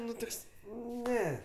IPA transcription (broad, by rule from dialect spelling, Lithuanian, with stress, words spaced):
ˈnʊ ˈtoːks ˈnʲɛ